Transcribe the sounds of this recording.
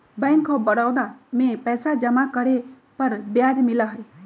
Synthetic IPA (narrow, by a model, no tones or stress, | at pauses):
bɛ̃ŋkːɔbəɽawd̪amẽpɛjsad͡ʒəmakəɾe | pəɾbjad͡ʒmilaɦəj